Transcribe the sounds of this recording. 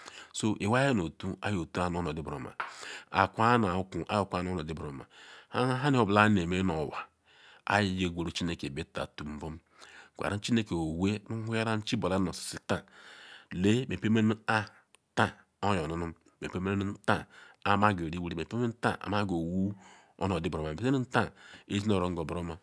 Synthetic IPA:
so˦ʔe˨wa˦je˦no˨tu˦a̰˦jo˨tu˦a˦n˨o˦no˨di˦bɾo̰˨ma̰˨a̰˨kʷa˦na˨˦ku˨ʔa̰˦jo˦˨kʷa˦no˦nɔ˨di˦bɾo̰˨ma̰˨a˦ɦa˦ni˦o˨bla˦ne˨me˦no˨wa˨ | a̰˦ji˨je˨ɡʷe˨ɾo˦t͡ʃi˦ne˦ke˨be˦ta̰˨tu˨m̩˦bo˦m˦˨ | kʷa̰˨ɾa˦n̩˦t͡ʃi˦ne˦ke˨o˨we˦mu˦hu˦ja˦ɾa˦n̩˦t͡ʃi˦bo˨la˦no˨ssi˨ta˦ | le˦me˨pe˦me˦n˦a˦ | ta˦˨ | o˦jo˨nu˦nu˦m | me˨pe˦me˦n˦n˦n̩˦ta˦a˨ma˦ɡe˨ɾi˦wu˦ɾi˦˨e˨pe˦e˦n˦ta˦ʔa̰˨ma˦ɡo˨wu˦ | o̰˦no˨di˦bɾo˨ma˨e˨e˦ni˦n̩˦ta˦e˦zi˦no˦˨ɾo˨ŋ̩˦ɡo˨bɾo˦ma˨

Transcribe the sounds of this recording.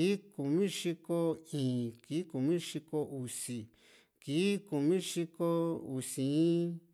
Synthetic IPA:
ku˨mĩ˦ʂi˧ko˧ĩː˨kiː˨˦ku˨mĩ˦ʂi˧ko˧u˨si˨ | ki˨˦ku˨mĩ˦ʂi˧ko˦u˨sĩ˨˦

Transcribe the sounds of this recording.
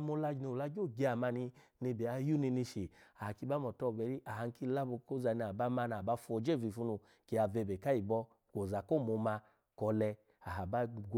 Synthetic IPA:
mo˧la˧d͡ʒno˨la˧ɡo˦˨ɡe˨˦a˨ma˧ni˧ | ne˧˨be˨a˧˦ju˦ni˧ni˧ʃe˨a˨a˨ki˧˦ba˦mɔ˨tɔ˧˨bɛ˨ɾi˦ʔa˨ha˧ŋ˦ki˦la˦bo˧ko˦za˧˨˧ni˧˨a˨ba˦ma˧˦na˨ba˦fo˧˨d͡ʒe˦˨vi˨fu˧˦nu˧ | ke˨a˧ve˧˨be˨ka˦i˨bɔ˧ | ko˨za˨ko˦˨mo˧ma˧ | kɔ˧lɛ˧ | a˨ɦa˨ba˦ɡ

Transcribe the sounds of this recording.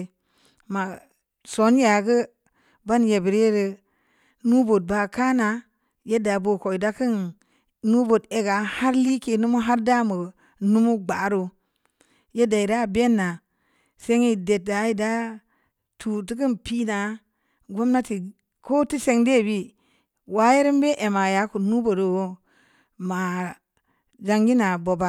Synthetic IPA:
ma˨ | so˨˦n˦ja˨ɡə˦ | ba˦nje˨bi˨ɾe˦ɾə˧ | nu˦bo˨t̚ba˧ka˦na˨ | je˦da˨bo˨ko˨i˨da˦kɨ˦n | nu˦bo˨de˨ɡa˨ha˦ɾli˦ke˧nu˦mu˦ɦa˦ɾda˦mə˨ | nu˦mu˦ɡ͡ba˨˦ɾo˨ | je˦da˨i˨ɾa˦˨be˦nːa˨ | se˦ŋi˨de˨t̚da˨˦i˦˨da˦ | tʰu˨t̬i˦ki˦npi˦na˨ | ɡo˦mna˦ti˨ | ko˦ti˦se˨ŋde˦˨bi˦ | wa˦je˦ɾi˦mbe˦ʔe˨ma˨ja˨˦ku˨nu˦bo˨do˨wo˦ | ma˨ | d͡ʒa˦ŋɡi˦na˨bo˨ba˨

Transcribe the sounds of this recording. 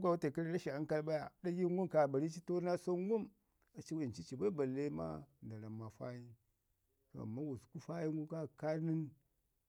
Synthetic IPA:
ɡʷa˨wu˦ta˨ka˦ɾɾa˦ʃi˨a˦ŋ˦ka˦lba˦ja˨da˦ji˦ŋ˦ɡu˦mka˨ba˨ɾi˦t͡ʃi˦to˦na˦so˦ŋɡu˦m | a˨t͡ʃi˦wa˨nt͡ʃi˦t͡ʃi˨ba˦i˦ba˨lːe˦ma̰˦nda˨la˨mːa˨fa̰˦ji˦ | to̰˦a̰˨mːa˦wu˨sku˦fa˦ji˦ŋɡu˦ka˦˨ka˦ni˦n

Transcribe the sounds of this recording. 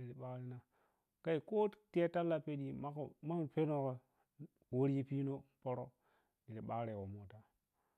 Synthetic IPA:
i˨ɾi˨ɓa˦ɾi˦na˦ | ka˦i˨ko˦te˦ta˦lːa˨pe˦ɗi˨ma˦kma˦pe˦no˦˨ko˨ | wo˦ɾi˦pi˦no˦po˦ɾo˦ | di˨ɾi˨ɓa˦kɾe˨wo˨mo˨ta˦

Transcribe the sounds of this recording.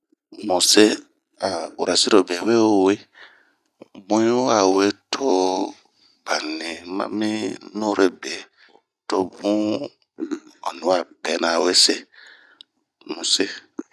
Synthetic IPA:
mũ˨se˦ | a˨u˨ɾa˨si˦ɾo˨be˨we˦˨we˦ | bũ˦u˦a˦˨we˦tʰo˦ | b̥a˨nĩ˨mã̰˦mĩ˦nũ˦ɾe˦be˨ | to˦bũ˦ | ɔ˨nĩ˨˦a˦˨bɛ˨˦nã˨we˦se˦ | mũ˨se˦

